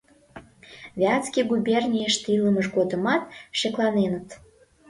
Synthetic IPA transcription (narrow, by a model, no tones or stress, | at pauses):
vʲeɑt͡skʲiɡubʲernʲijəʃt̪iləməʃɡod̪əmɑt̪ʃeklɑnenət̪